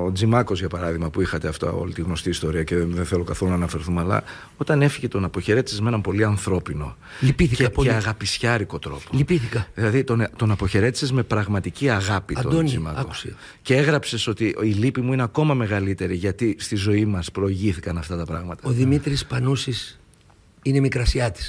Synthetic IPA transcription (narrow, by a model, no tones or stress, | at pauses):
od͡zimɐko̞zʝɐpɐɾɐðiɣmɐpuixɐt̪e̞ɐft̪o̰o̞̰lit̪iɣno̞st̪iːst̪o̞ɾiɐceðeθelo̞kɐθolunɐːnɐfeɾθumɐlɐ̰ | o̞t̪ɐne̞fiʝe̞t̪o̞nɐpoçe̞ɾe̞t̪isezme̞nɐmpo̞liɐnθɾo̞pino̞̰ | lipiθieɐɣɐpisçɐɾiko̞t̪ɾo̞polipiθikɐðilɐðit̪ont̪onɐpo̞çe̞ɾe̞t̪i̥se̞zme̞pɾɐɣmɐt̪iciɐɣɐpito̰donimɐ̰kou̥s | cee̞ɣɾɐpse̞so̞t̪iilipimuine̞ɐko̞mɐme̞ɣɐlit̪e̞ɾiʝɐt̪ist̪izo̞imɐspɾo̞iʝiθikɐnɐft̪ɐt̪ɐpɾɐɣmɐt̪ɐoðimit̪ɾispɐnusis | inemikɾɐsiɐt̪i̥s